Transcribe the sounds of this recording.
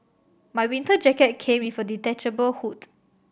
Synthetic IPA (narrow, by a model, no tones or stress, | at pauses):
majwĩntəd͡ʒɛkət̚kʰẽmĩfəditɛt͡ʃəbəlhut